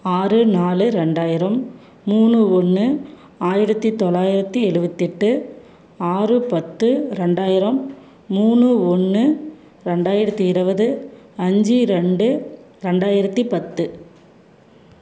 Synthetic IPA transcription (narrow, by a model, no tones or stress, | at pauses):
aːrɯnaːlɯɾɛɳɖaːjɪɾɐmː | uːɳɯɔnːɯ | aːjɪɾɐt̪ːit̪ɔlːaːjɪɾɐt̪ːiɛɻɯʋɐt̪ːɪʈːɯ | aːrɯpɐt̪ːɯɾɛɳɖaːjɪɾɐmː | uːnɯɔnːɯ | ɾɛɳɖaːjɪɾɐt̪ːiɪɾɯʋɐðɯɐɲd͡ʒiɾɛɳɖɯ | ɾɛɳɖaːjɪɾɐt̪ːipɐt̪ːɯ